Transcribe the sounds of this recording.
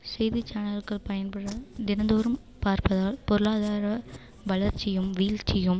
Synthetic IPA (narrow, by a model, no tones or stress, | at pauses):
sɛjðɪt͡ʃːaːnɐɾkɐɭpɐjɐnpɐɽɐd̪ɪnɐnd̪oːɾɯm | paːɾpɐðaːlpɔɾɯɭaːðaːɾɐ | ʋɐɭɐɾt͡ʃːɪjɯmʋiːlt͡ʃɪjɯm